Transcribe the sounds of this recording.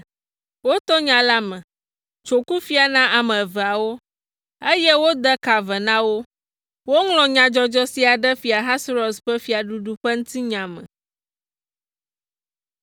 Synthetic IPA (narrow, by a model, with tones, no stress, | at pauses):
wo˦t̪ɔ˦ɲã˨la˦mə̃˨ | t͡ʃo˨ku˦fi˨a˨nã˦ʔa˨mə̃˨vɛ˨a˨wo˦ | e˦jɛ˦wo˦d̪ə˦ka˨vɛ˨nã˦wo˦ | wo˦ŋlɔ̃˨ɲã˨d͡ʒɔ˦d͡ʒɔ˦si˦a˨ɖə˦fi˨a˨ɦa˦sɾɔ˨sɸɛ˦fi˨a˨ɖu˦ɖu˦ɸə˦ŋũ˦t̪i˦ɲã˨mə̰̃˨